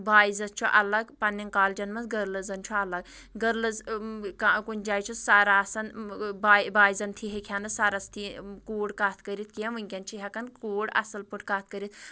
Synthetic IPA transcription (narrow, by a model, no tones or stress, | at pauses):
baːizɐst͡ʃʰuʔɐlɐɡpɐnːiŋkaːld͡ʒɐnmɐsɡɐɾlɐzɐnt͡ʃʰuɐlɐɡ | ɡɐɾlɐzkakunʲd͡ʒaːjt͡ʃʰusaɾaːsɐnbabaːizɐnt̪ʰiɦekʰʲanɨsaɾɐst̪ʰikuːɽkaːt̪ʰkəɾit̪̚keʋɨŋkʲɐnt͡ʃʰiɦɐkɐnkuːɽɐ̰sɐlpuʈʰkaːt̪ʰkəɾit̪̚